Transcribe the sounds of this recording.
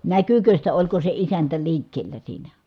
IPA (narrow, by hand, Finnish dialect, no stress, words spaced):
nækykø sitæ olʲko se isæntæ liːkːeːlːæ siːnæ